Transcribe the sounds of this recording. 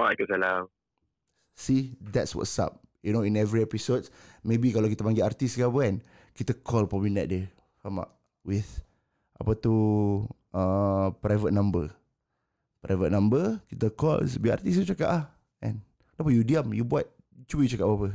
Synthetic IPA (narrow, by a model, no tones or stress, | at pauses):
oakəsalam | sid̪ɛtswɔ̰tsa̰p̚ | junoĩnɛvɾiɛpisot̚mebikalawkit̪əpaŋɡiart̪iskapəɛn | kit̪əkʰɔlpɔbinɛ̰t̪̚diə | kama̰p̚ | wiθ | ʔapət̪u | ə̃pɾajvət̪̚nãmbə | pɾa̰jvət̪̚nãmbəkit̪əkɔ̰l̰sbia̰rt̪ist̪ut͡ʃakaʔlah | ʔɛ̰̃n | t̪apəjudiamjubua̰t̪̚ | t͡ʃuəjut͡ʃakaʔbapə